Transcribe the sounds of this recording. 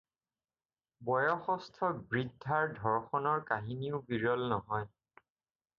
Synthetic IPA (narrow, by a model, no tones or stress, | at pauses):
bɔjɔxɔstʰɔbɹidʱːaɹdʱɔɹxɔnɔɹkaɦiniʊbiɹɔlnɔɦɔj